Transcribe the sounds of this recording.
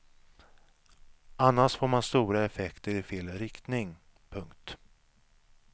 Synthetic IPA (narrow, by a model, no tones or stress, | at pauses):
anːaʂfoːɾmanst̪uːɾaɛfɛkt̪əɾɪfeːlɾɪkt̪nɪŋ | pʰɵŋkt̪